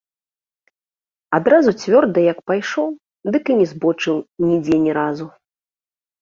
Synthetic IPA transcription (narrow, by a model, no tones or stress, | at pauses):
ad̪ɾazut͡sʲvʲɔrd̪ɐjɐkpajʂɔw | d̪ɨkɨnʲɛzbɔt͡ʂɨwnʲid͡zʲɛnʲɛɾazu